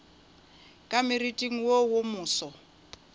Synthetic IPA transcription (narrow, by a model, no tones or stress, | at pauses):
kʼamɪritʼiŋ̩wowʊmʊːsɔ